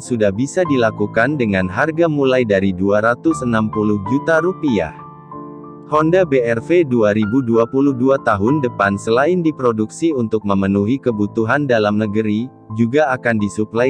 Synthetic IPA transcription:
sudahbisadilakukandəŋanɦarɡamulajdaɾiduaɾat̪ʊsənampulʊhd͡ʒut̪aɾupia̰ | hɔndabeɛrfeduaɾibuduapuluhduat̪aɦʊndəpansəlaɪndipɾoduksiunt̪ʊk̚məmənuɦikəbut̪uɦandalamnəɡəɾi | d͡ʒuɡaːkandisupla

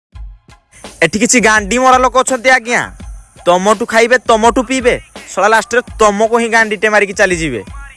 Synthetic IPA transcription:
eʈikit͡ʃʰiɡaɳɖimɔɾalɔkɔːt͡ʃʰɔnt̪eaɡijã̰t̪ɔmɔʈukʰajbet̪ɔmɔʈupibesɔɽalasʈɔɾet̪ɔmɔkoɦĩɡaɳɖiʈemaɾik̬it͡ʃalid͡ʒibḛ

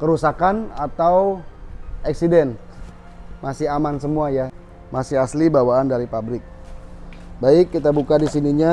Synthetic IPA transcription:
kəɾusakanat̪aw | aksidɛn | masɪɦamansəmuaja | masɪɦaslibawaːndaɾipabɾɪk̚ | baɪkːit̪abukadisiniɲa

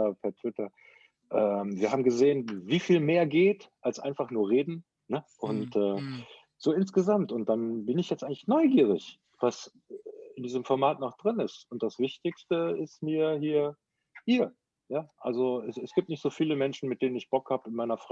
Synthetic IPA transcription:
apʰɛɐtʰv̥ɪtɐ | ʔɛːmviːɐhɦaːbm̩ɡəzeːənviːfiːlmeːɐɡeːtʔalsʔa̰ɪnfaχnuːɐʁeːdn̩ | nəʔʊntɛː | z̥oːɪnsɡ̥əzamtʊnt̚d̥anbɪnɪçjɛt͡stʔaɪŋklɪçnɔʏɡiːʁ̞ɪç | v̥as | ɪndiːzəmfɔɐmaːtnɔχd̥ʁɪnɪstʊnt̚d̥asv̥ɪçtɪçstəɪstmiːɐhiːɐ | hiːɐ | jaːʔa̰lzoɛsɛsɡ̥iːp̚tnɪçtz̥oːfiːləmɛnʃn̩mɪt̚d̥eːnənɪçb̥ɔkhaːbəɪnmaɪnɐfʁ̥a

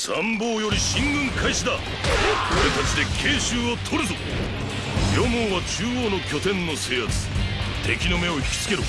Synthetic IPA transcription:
sãmbo̞ːjo̞ɾʲiɕĩŋɡɯ̟̃ŋkʰaiɕid̪a | koɾe̞t̪at͡ɕid̪e̞kʰe̞ːɕɨːot̪ʰo̞ɾɯzo | jʲomõːβat͡ɕɨːoːno̞kʲo̞t̪ẽnːo̞se̞ːat͡sɨ̥ | t̪ʰe̞kʲino̞me̞o̞çi̥kʲi̥t͡sɨ̥ke̞ɾɯ̟

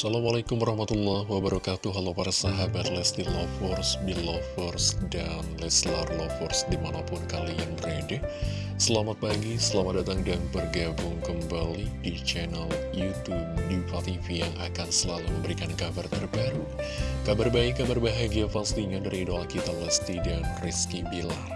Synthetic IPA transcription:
salamalakʊmwaɾɑhmat̪ulːahwabaɾakat̪uɦalɔpaɾasaɦabat̪lɛsdilɔfɔrsbilɔfɔrsdanlɛslarlɔfɔrsdimanapʊnkalianbɾedɛ | səlamat̪̚paɡisəlamat̪dat̪aŋdanbərɡabʊŋkəmbalidit͡ʃɛnal | jut̪up̚difat̪ifijaŋʔakansəlaluməmbəɾikankabart̪ərbaɾukabarbaikːabarbaɦaɡiafanst̪iŋadaɾiːdoakit̪alɛst̪idanriskibilar

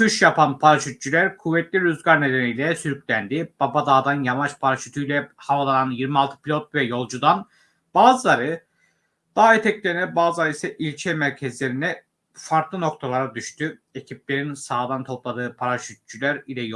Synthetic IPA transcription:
tuʃjapʰanpʰaɾat͡ʃyt̪̚t͡ʃylʲæɾkʰuvːɛt̪lʲiɾuzɡaɾne̞d̪enijlʲɛsyɾyclʲænd̪ib̥abad̪aːd̪anjavat͡ʃpʰaɾaʃyt̪ʰyjlʲɛhavalˠananjiɾmialˠt̪ʰɯ̥pʰilʲot̪̚vɛjo̞lˠd͡ʒud̪an | b̥aːzɯlˠaɾɯ | d̪̥aːet̪ʰɛclʲeinɛbaːzanisɛʔilʲt͡ʃʰɛmæɾcʰɛzlʲe̞ɾinɛ | faɾklˠɯno̞kt̪ʰalˠaɾad̪yʃt̪ʰye̞cʰip̚lʲe̞ɾinsaːd̪ant̪ʰo̞plˠad̪ɯːpʰaɾat͡ʃyt̪̚t͡ʃʰylʲæɾilʲɛj

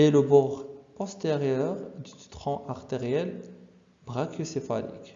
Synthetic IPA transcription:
eləbɔʁpɔst̪eʁjœʁd̪yt̪ʁɔ̃ʔaʁt̪eʁjɛl | bʁakjəsefanḭk

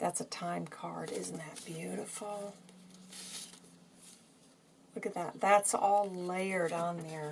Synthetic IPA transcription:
ðætsɨtʰãɪ̃mkʰɑ̰ɹɾɪzn̩ðɨt̚b̥jʉɾɨfl̩ˠ | lʊkɨt̪̚ðɨt̪̚ðætsɔlˠleɪə˞ɾn̩ðə˞

